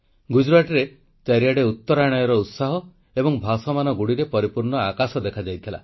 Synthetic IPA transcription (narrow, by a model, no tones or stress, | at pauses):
ɡud͡ʒuɾaʈɔɾe | t͡ʃaɾijaɽeut̪ːɔɾaɽ̃ɔjɔɾɔut̪saɦɔ | ebɔŋbʱasɔmanɔɡuɽiɾepɔɾipuɾɳɔakasɔd̪ekʰad͡ʒajt̪ʰila̰